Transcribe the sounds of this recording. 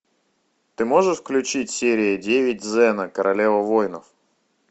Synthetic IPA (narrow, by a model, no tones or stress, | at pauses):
t̪ɪmɔʐəʂfklʲʉt͡ɕitʲsʲeɾʲɪjɐdʲeʋʲɪt̚ʲzɛnɐkɐɾʔɐlʲɛvɐvɔjnɐf